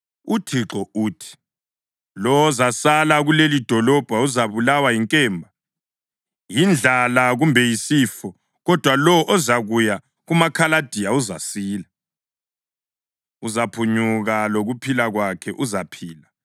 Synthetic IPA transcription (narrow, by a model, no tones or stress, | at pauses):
utʰiǁɔuːtʰi̥ | lɔwɔzasalaɣulelid̥ʱɔlɔb̥ʱauzaβulawajiŋkʼɛːmbʱa | jind͡ɮʱalaɣumbʱɛjisiːfɔ | ɣɔd̥ʱwalɔʔɔzaɣuja | ɣumakʰalad̥ʱijauzasiːla | uzapʰuɲuɣaloɣupʰilaɣwakʰɛʔuzapʰiːla